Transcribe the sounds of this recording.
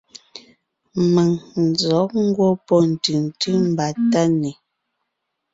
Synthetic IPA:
mə˨ŋn̩˨d͡zɔ˨˦k̚ŋ̩˦ɡwɔ˦pɔ˦n̩˨tɯ˨n˨ti˦m̩˨ba˨ta˦ne˨

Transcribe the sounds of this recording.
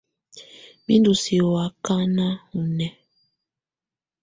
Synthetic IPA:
bi˦ndu˨si˨ɔ˨a˨ka˦na˦ŋu˨nɛ˨

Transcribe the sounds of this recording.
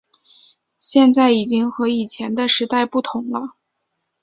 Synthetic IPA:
ɕjɛ˥˧nt͡sa˥˩ɪi˨˩t͡ɕi˥ŋxɤ˧˥i˨˩t͡ɕʰjɛ˧˥nd̪ə˧ʂɻ̩˧˥t̪a˥˧ɪpu˥˩t̪ʰʊ˧˥ŋlə˧

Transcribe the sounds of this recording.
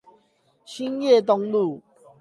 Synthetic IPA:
ɕĩ˦nje˥˨t̪̬ɔ˧ŋlu˥˨

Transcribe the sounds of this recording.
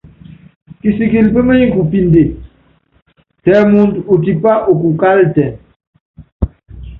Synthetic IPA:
ki˨si˨ki˨lpə˦mə˦ɲi˦ku˨pi˦nde˨ | tɛ˨mu˦ndo˨t̬i˨pa˦ʔo˨ku˨ka˦ltɛ˨

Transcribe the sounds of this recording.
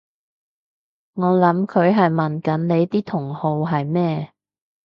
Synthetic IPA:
ŋɔː˨˧lɐ˨˥mkʰɵ˨˧ɥɦɐ˨jmɐ˨˩nkɐ˨˥nne˨˧jt̪iː˥t̪ʰʊ˨˩ŋho˨˧wɦɐ˨jmɛː˥

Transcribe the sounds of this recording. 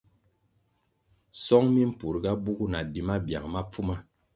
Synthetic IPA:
sɔ˦ŋmi˦m̩˦pu˨ɾɡa˦bu˦ɡu˦na˨di˨ma˦bja̰˨ŋma˦p͡fu˦ma˦

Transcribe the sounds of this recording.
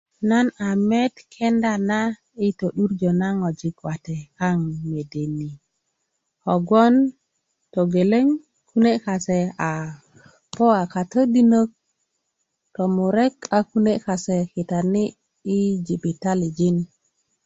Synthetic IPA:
na˦na˨me˦t̪kʰe˦nda˨na˦ | i˦to˨ɗu˦ɾd͡ʒo˨na˦ŋo˨d͡ʒi˨kwa˨te˨ka˦ŋme˨de˨ni˨ | o˨ɡo˦n | to˨ɡe˨le˦ŋ | ku˦ne˦ka˨se˨a˨ | po˦a˨ka˨tə˦di˦nə˦k̚ | to˨mu˨ɾe˦ka˨ku˦ne˦ka˨se˨ki˨ta˨ni˦ | i˦d͡ʒi˨bi˨ta˦li˨d͡ʒi˦n

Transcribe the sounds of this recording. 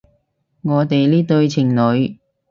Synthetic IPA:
ŋɔː˨˧t̪e˨jliː˥t̪ɵ˧ɥt͡sʰɪ˨˩ŋlɵ˨˧ɥ

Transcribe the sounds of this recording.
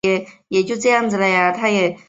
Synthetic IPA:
ɛ˨˩jɛ˨˩t͡ɕjo˥˧t͡sɤ˥˧jɑ˥˩ŋt͡s̩˧˩la˧˩ja˥˧˩t̪ʰa˥jɛ˨˩

